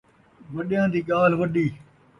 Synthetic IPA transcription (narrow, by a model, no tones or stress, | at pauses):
ʋəɗjãːd̪iːɠaːlʋəɗiː